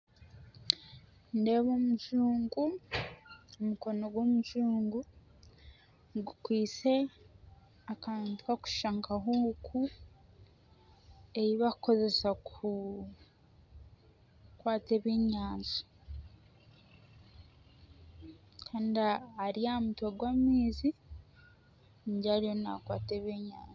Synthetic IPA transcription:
nde̞βomuʒuːŋɡu | umuko̞no̞ɡwomuʒuːŋɡu | ɡukwiːt͡se̞ | akaːntuhaku̥ʃaːŋkaɦokʰu | ejiβakuko̞ze̞saku | kwaːte̞βeːɲaːnzu̥ | kʰaːndiaːɾiamutwaɡwaːmiːzi | ɲɟaɾijona̰kwa̰ːteβeːɲa̰ːnzu̥

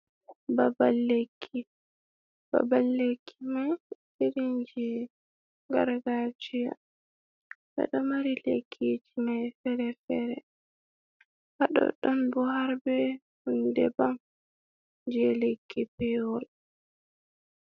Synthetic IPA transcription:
babalːekʰːi | b̥a̰balːekʰːimaj | iɾind͡ʒi | ŋɡa̰ɾɡad͡ʒija̰ | ba̰ɗɔmaɾilḛkʰːid͡ʒimajfɛɾɛfɛɾɛ | haɗɔ̰ɗɔnbuhaɾbɛ | hundɛ̰bam | d͡ʒiɛlekʰːipɛwɔl

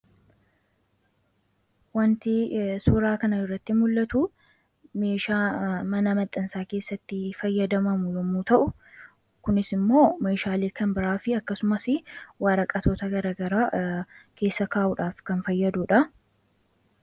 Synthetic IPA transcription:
wɐnt̪ɪsuːɾaːkɐnɐɪrːɐt̪ːɪmʊlːɐt̪u | me̞ːʃaːmɐnɐmɐt̪ʼːɐnsaːke̞ːsːɐt̪ːɪfɐjːɐd̪ɐmɐmʊjɔmut̪ɐʔʊ | kʊnɪsɪmːo̞ːme̞ːʃaːleːkɐmbɪɾaːfɪɐkːɐsʊmɐsɪwaːɾɐkʼːɐt̪ʰoːt̪ɐɡɐɾaːɡɐɾaːkʰe̞ːsːɐkaːʔʊᶑaːfkɐnfɐjːɐd̪uːᶑɐ

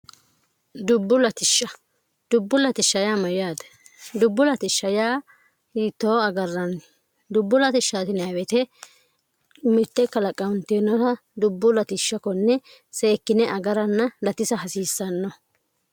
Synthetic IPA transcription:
d̪ʊbːʊlɐt̪ɪʃːɐ | d̪̥ʊbːʊlɐt̪ɪʃːɐjaːmɐjʊjaːd̪ɐ | d̪ʊbːʊlɐt̪ɪʃːɐjaː | iːt̪ːoːɐɡɐrːɐn | d̪ʊbːʊlɐt̪ɪʃːaːt̪ɪnɐwɛt̪ɛ | ʊmɪt̪ːɛkɐlɐkʼːɐwʊnt̪enɔt̪ɐ | d̪ʊbːʊlɐt̪ɪʃːɐkɔnːɛ | se̞ːkːɪnɛʔɐɡɐɾɐnːɐlɐt̪ɪsɐɦɐsiːsːɐnːɔ

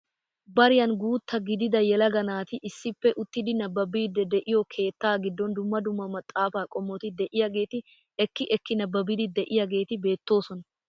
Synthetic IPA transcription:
bɐɾɪjɐnɡuːt̪ːɐɡɪd̪ɪd̪ɐjɛlɐɡɐnaːt̪ɪʔɪsːɪpːɛʔʊt̪ːɪd̪ɪnɐbːɐbiːd̪ɛd̪ɛʔɪjɔkʰe̞ːt̪ːaːɡɪd̪ːɔnd̪ʊmːɐd̪ʊmːɐmɐt̪ʼːaːfaːkʼɔmːɔt̪ɪd̪ɛʔɪjɐɡe̞ːt̪ɪ | ɛkːɪʔɛkːɪnɐbːɐbɪd̪ɪd̪ɛʔɪjɐɡe̞ːt̪ɪbe̞ːt̪ːo̞ːsɔnɐ

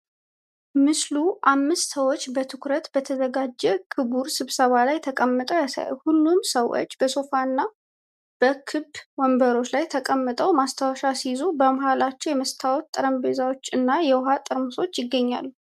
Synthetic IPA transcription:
mɨsluʔamːɨst̪səwo̞t͡ʃːbət̪ʰɨkɾət̪b̥ət̪ʰəzəɡad͡ʒːɛkʰɨbuɾsɨβsəβalajt̪ʰəkʼəmːɨt̪ʼəwjasa̰j̰hulːumsəwo̰t͡ʃːbəso̞faɨnːa | b̥əkʰɨbwɔmbəɾo̞t͡ʃːlajt̪ʰəkʼəmːɨt̪ʼəwmast̪ʰawɔʃasizubəmahalat͡ʃːɛwjɛməst̪ʰawɔt̪ʼːɨɾəmbe̞zawot͡ʃːɨnːajɛwɦat̪ʼɨɾmɨso̞t͡ʃːjɪɡːəɲːa̰lːu

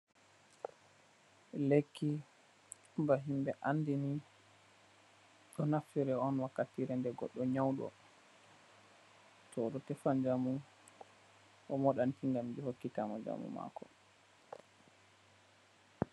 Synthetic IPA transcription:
lekːi | baɦimbɛʔanːdini | ɗɔnaftiɾɛɔnwakːatːiɾɛndɛɡɔ̰ɗːɔɲawɗɔ̰ | tɔːɗɔtɛfand͡ʒamu | ʔɔmɔɗantiŋɡamd͡ʒihokːitamɔ̰d͡ʒa̰mṵma̰kɔ

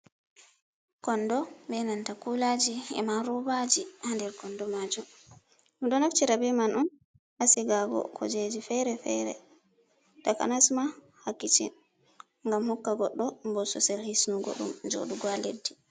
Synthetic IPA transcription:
kɔndɔbɛnantakulad͡ʒiɛ̰maɾɔbad͡ʒihandɛɾkɔndɔmad͡ʒum | umɗɔnaft͡ʃiɾabɛmanɔn | ʔasɛɡabɔ̰kʰɔ̰d͡ʒed͡ʒifɛɾɛfɛ̰ɾɛ̰ | taka̰nasma | hakːit͡ʃḭ | ŋɡamhɔkːaɡɔɗːɔmbɔsɔsɛlhisnuɡo̰ɗṵmd͡ʒo̰ːɗuɡwalḛdːi

